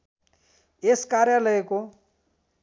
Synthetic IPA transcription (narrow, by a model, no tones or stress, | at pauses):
eskaɾjalʌeko